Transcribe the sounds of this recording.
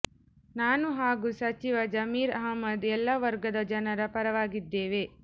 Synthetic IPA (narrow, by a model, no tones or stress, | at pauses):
naːnuɦaːɡuːsɐt͡ʃiʋɐd͡ʒɐmiːɾɐɦɐmːɐd̪ɛlːɐʋɐɾɡɐd̪ɐd͡ʒɐnɐɾɐpɐɾɐʋaːɡid̪ːeːʋe